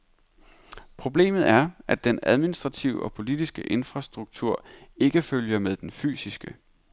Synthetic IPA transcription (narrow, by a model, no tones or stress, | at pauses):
pʰʁo̝b̥le̝̰ːmð̞̩ˠæɐʔæd̥enæð̞ˠminisd̥ʁɑ̈t͡sʰiʊɒ̽pʰo̝lid̥isɡ̥əʔe̝nfʁɑ̈sd̥ʁuɡ̥̚t͡sʰuɐ̰e̝ɡ̥əføljɐmeð̞ˠd̥enfy̰ːsisɡ̥ə